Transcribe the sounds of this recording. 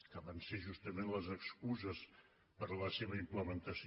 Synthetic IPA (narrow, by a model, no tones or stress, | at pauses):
kəβanseʒust̪əmenləzəkskuzəs | pəɾləseβəimpləmənt̪əs